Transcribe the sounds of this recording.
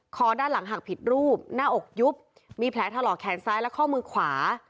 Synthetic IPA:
kʰɔː˧daː˥˩nla˩˦ŋɦa˨˩k̚pʰi˨˩t̪̚ɾuː˥˩p̚naː˥˩ʔo˨˩k̚ju˦˥p̚ | miː˧pʰlɛː˩˦t̪ʰa˧lɔː˨˩kʰɛː˧nsaː˦˥jlɛ˦˥kʰɔː˥˩mɯː˧kʰwaː˩˦

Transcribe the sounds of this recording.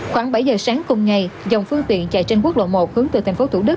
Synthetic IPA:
xwaː˧˩˦ŋɓa˧˩jzəː˨˩saː˨˦ŋkʊ˨˩ŋ͡mŋa˨˩jza˨˩wŋ͡mfɨ˧ŋt̪ḭ˧˨ənt͡ɕa̰˧˨jt͡ɕe˧nku˦˥ək̚lo̰˧˨mo˨˩t̚hɨ˨˦əŋt̪ɨ˨˩t̪ʰŋfo˨˦t̪ʰu˧˩ɗɨ˦˥k̚

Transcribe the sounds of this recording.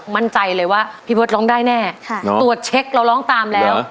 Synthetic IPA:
ma˧nt͡ɕa˧jlɤː˧jwaː˥˩pʰiː˥˩boː˦˥˩lɔː˧˥ŋdaː˥˩jnɛː˥˩kʰa˧˩t̪u˨˩ət̪̚t͡ɕʰe˦˥k̚ɾa˧wlɔː˦˥ŋt̪aː˧mlɛː˦˥w

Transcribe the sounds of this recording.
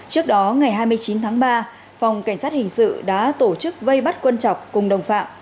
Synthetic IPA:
t͡ɕɨ˦˥ək̚ɗɔ˨˦ŋa˨˩jɦaː˧jmɨ˧əjt͡ɕi˨˦nt̪ʰaː˨˦ŋɓaː˧ | fa˨˩wŋ͡mka˧˩jŋ̟saː˦˥t̚hï˨˩ŋ̟sɨ̰˧˨ɗa̰ː˧˥t̪o˧˩t͡ɕɨ˦˥k̚və˧jɓa˦˥t̚kwə˧nt͡ɕɔ̰˧˨wŋ͡mkʊ˨˩ŋ͡mɗə˨˩wŋ͡mfa̰ː˧˨m

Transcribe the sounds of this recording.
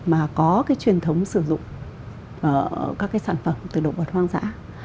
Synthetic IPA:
maː˨˩kɔ˨˦kaː˨˦jt͡ɕwi˨˩ənt̪ʰə˨˦wŋ͡msɨ˧˩zʊ̰˧˨ŋ͡mː | kaː˦˥kːaː˨˦jsaː˧˩nfə˧˩mt̪ɨ˨˩ɗo̰˧˨və˨˩t̚waː˧ŋza̰ː˧˥

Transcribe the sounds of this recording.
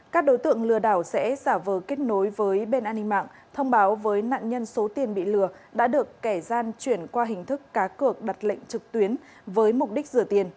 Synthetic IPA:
kaː˦˥k̚ɗo˨˦jt̪ɨ̰˧˨əŋlɨ˨˩əɗaː˧˩wsɛ̰˧˥zaː˧˩vəː˨˩ke˦˥t̚no˨˦jvəː˨˦jɓe˧nʔaː˧nːi˧ŋma̰ː˧˨ŋ | t̪ʰə˧wŋ͡mɓaː˨˦wvəː˨˦jna̰ː˧˨ŋɲə˧nso˨˦t̪i˨˩ənɓḭ˧˨lɨ˨˩ə | ɗa̰ː˧˥ɗɨ˨˩əkːa˧˩zaː˧nt͡ɕwi˧˩ənkwaː˧ɦï˨˩ŋ̟t̪ʰɨ˦˥kːaː˨˦kɨ˨˩ək̚ɗa˨˩t̚lə̰˧˨ŋ̟t͡ɕɨ˨˩k̚t̪wi˨˦ən | vəː˨˦jmʊ˨˩k͡p̚ɗi˦˥k̟̚zɨ˧˩ət̪i˨˩ən

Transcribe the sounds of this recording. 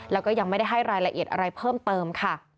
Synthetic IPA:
lɛː˦˥wkɔː˥˩ja˧ŋma˥˩jda˥˩jɦa˥˩jɾaː˧jla˧ʔi˨˩ə˩t̪ʔa̰˧ɾa˧jpʰɤː˥˩mt̪ɤː˧mkʰa˥˩

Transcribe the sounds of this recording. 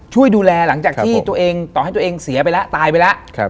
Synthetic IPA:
t͡ɕʰu˥˩əjduː˧lɛː˧la˩˦ŋt͡ɕaː˨˩k̚t̪ʰiː˥˩t̪u˧ɐʔeː˧ŋt̪ɔː˨˩ha˥˩jt̪ːʔeː˧ŋsi˨˩˦ɐp̬a˧jla˦˥ʔt̪aː˧jpa˧jla˦˥ʔʰ

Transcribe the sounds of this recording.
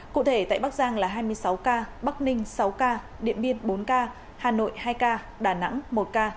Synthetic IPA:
kṵ˧˨t̪ʰe˧˩t̪a̰ː˧˨jɓa˦˥k̚zaː˧ŋlaː˨˩ɦaː˧jmɨ˧əjsa˨˦wkaː˧ɓa˦˥k̚nï˧ŋ̟sa˨˦wkaː˧ | ɗḭ˧˨ənvi˧ənɓo˨˦nkaː˧ | haː˨˩no̰˧˨jhaː˧jkaː˧ | ɗaː˧˩na̰˧˥ŋmo˨˩t̚kaː˧

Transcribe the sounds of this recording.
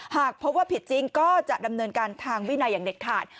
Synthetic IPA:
haː˨˩k̚pʰo˦˥p̚waː˥˩pʰi˨˩t̪̚t͡ɕi˧ŋkɔː˥˩t͡ɕa˨˩ʔda˧mnɤː˧nkaː˧nt̪ʰaː˧ŋwi˦˥˩na˧jːaː˨˩ŋde˨˩k̚t̪ʰaː˨˩t̪̚

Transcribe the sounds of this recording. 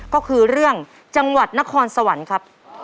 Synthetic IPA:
kɔː˥˩kʰɯː˧ɾɯ˥˩əŋ | t͡ɕa˧ŋwa˨˩t̪̚na˦˥kʰɔː˧nsa˧wa˩˦nkʰa˦˥p̚

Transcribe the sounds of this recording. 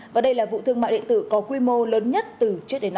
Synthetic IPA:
vaː˨˩ɗə˧jlaː˨˩vṵ˧˨t̪ʰɨ˧əŋma̰ː˧˨jɗḭ˧˨ənt̪ɨ̰˧˩kɔ˨˦kwi˧mo˧ləː˨˦nɲə˦˥t̚t̪ɨ˨˩t͡ɕɨ˦˥ək̚ɗe˨˦n˧˩

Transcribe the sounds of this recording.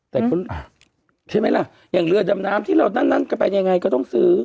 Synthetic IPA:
t̪ɛː˨˩kʰo˧˥nʔa˧˩ | t͡ɕʰa˥˩jma˦˥˩jla˧˩ʔ | jaː˨˩ŋlɯ˧˩əda˧mnaː˦˥mt̪ʰiː˥˨a˧˩na˥˨nːa˥˨nkaː˧˥˩pa˧jɲa˧ŋa˧jkɔː˥˧˩t̪ɔ˥˩ŋsɯː˦˥

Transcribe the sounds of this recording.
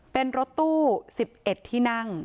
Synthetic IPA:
pe˧nɾo˦˥t̪ːuː˥˩si˨˩p̚ʔe˨˩t̪ʰːiː˥˩na˥˩ŋ

